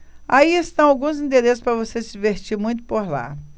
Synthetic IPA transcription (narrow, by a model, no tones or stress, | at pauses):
aiest̪ɐ̃w̃awɡũzĩnd̪eɾesʊ̥spɾɐvosesɪd͡ʒiveɾt͡ʃiɾmũj̃t̪ʊ̥poɾla̰